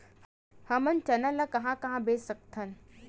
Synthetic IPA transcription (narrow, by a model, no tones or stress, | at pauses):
hɐmɐnt͡ʃɐnɐlɐkɐɦãkɐɦãbeːsək̚t̪ʰɐn